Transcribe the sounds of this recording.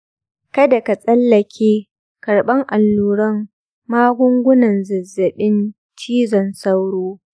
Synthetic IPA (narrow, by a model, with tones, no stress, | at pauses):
kɐ˦da˨ka˨sʼɐ˦lːɐ˨kʲʰeː˦ | kɐ˨ɽɓɐ˦ŋʔa˨lːuː˦ɽɐ˦m | maː˦ɡʷʊ˦ŋɡʷʊ˦nɐ˨nzɪ˨zːɐ˨ɓɪ˦n | t͡ʃiː˦zɔ˨nsɐ˦wɽoː˦